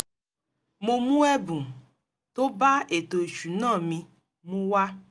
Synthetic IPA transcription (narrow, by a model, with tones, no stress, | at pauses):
mo˧mũ˦ɛ˦bũ˨ | to˦ba˦e˨to˨e˨t͡ʃu˨nãː˦˨mĩ˧ | mũ˦wa˦